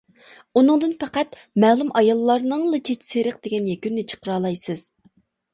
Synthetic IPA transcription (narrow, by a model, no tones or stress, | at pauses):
unɨŋd̪ɨnpʰɛqæt̪ | mɛːlˠumʔɑjɑlˠːɑɾnɨŋlˠɨt͡ʃʰet͡ʃʰseɾəq̚d̪eɡʲɛnjɛkʲynnɪt͡ʃʰə̥qəɾɑːlˠɑjsɨz̥